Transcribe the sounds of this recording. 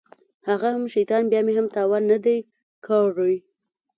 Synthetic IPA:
haɣahamʃajt̪ɑnbjɑmeɦamt̪ɑwɑnːad̪aj | kʰɑɾuj

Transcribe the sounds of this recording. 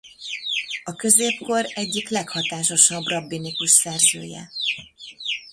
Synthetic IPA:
ɒkø̞zeːpko̞rɛɟːiklɛkhɒt̪aːʃo̞ʃɒbrɒbːinikuʃsɛrzø̰ːjɛ̰

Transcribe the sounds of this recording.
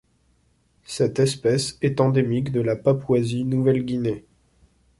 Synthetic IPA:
sɛt̪ɛspɛsɛt̪ɑ̃d̪emikd̪əlapapwazinuvɛlɡʲine

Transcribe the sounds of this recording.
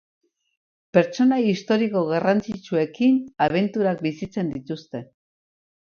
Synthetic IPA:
pe̞ɾt͡ʃo̞najist̪o̞ɾiko̞ɣarant͡sit͡ʃue̞kinaβ̞e̞nt̪uɾak̚bisit͡se̞nd̪it̪ust̪e̞

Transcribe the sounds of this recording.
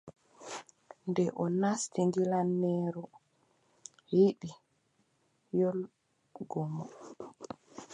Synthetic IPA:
ndɛʔɔnastiŋɡilanːɛːɾɔ | jiɗi | jɔl | ɡɔmɔ

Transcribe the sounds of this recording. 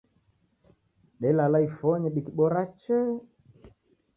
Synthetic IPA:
ɗɛlalaifɔɲɛɓikiɓɔɾat͡ʃɛ

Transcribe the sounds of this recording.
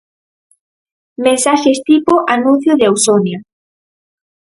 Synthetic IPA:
mẽnsaʃest̪ipoʔanũn̟θjoðeawsonja

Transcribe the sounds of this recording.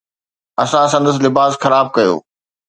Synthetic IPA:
ɐsãsɐ̃nd̪əs̬lɪbaːzxɐɾaːb̚kɐjo̰ː

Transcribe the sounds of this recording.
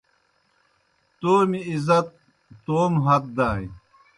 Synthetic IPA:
t̪oːmiizɐt̪̚ː | oːmɦɐt̪̚d̪aːj

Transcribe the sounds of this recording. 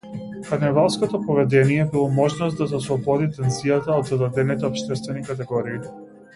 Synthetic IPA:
kaɾnɛvalˠskɔt̪ɔpɔvɛd̪ɛnijɛbilˠɔmɔʒnɔsd̪azaslˠɔbɔd̪it̪ɛnzijat̪aɔd̪zad̪ad̪ɛnit̪ɛɔpʃt̪ɛst̪vɛnikat̪ɛɡɔɾiː

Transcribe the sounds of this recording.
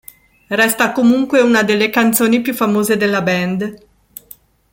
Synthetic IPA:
rɛst̪akomuŋkweunad̪elːekant̪soːnipjufːamoːzed̪elːabɛnd̪

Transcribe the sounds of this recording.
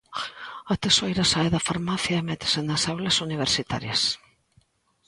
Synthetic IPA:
at̪esojɾasaeðɐfaɾmaθjaemɛt̪ɪ̥senasawlɐsuniβeɾsit̪a̰ɾjɐs

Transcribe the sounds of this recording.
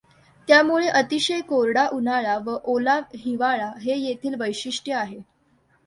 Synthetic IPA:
t̪jamuɭeʔət̪iɕəjkoɾɽaʔunaɭaʋəʔolaɦiʋaɭaɦejet̪ʰiːlʋəjɕiʂʈjəaɦe

